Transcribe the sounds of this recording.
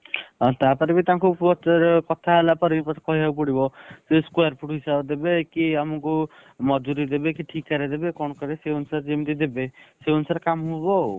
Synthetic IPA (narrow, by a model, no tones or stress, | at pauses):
ɔ̃t̪aɾpɔɾebit̪ãŋkʰubbɔt͡ʃːɔɾkɔt̪ʰaɦelapɔɾipɔkɔɦiɦaukuɽibɔseskwaɾpʰuʈɦisabd̪ebekiamɔku | mɔd͡ʒuɾid̪ebekiʈʰikːaɾed̪ebekɔñɔkaɾeseunsaɾd͡ʒemt̪id̪ebeseunusaɾkamɦubɔ